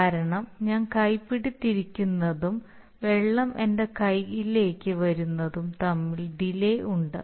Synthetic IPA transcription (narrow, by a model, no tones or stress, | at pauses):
aːɾɐɳɐmɲaːnkɐjpːiɽit̪ːiɾikʲːunːɐðum | ʋe̞ɭːɐmʔe̞nde̞kɐjɣile̞ːkʲːɨʋɐɾunːɐðumt̪ɐmːiɭɖilejuɳɖɨ̰